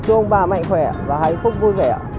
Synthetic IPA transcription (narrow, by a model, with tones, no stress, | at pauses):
t͡ɕɨ˧ə˧ŋ͡mɓaː˨˧˩ma̰˧˨jŋxwɛ˧˩vaː˨˩ha̰˧˨jfʊ˦˥k͡p̚vu˧jvɛ˧˩